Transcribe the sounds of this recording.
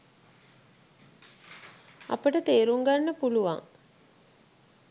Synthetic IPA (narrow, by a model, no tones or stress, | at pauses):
a̰pəʈət̪eːɾuŋɡanːəpuluʋa̰ŋ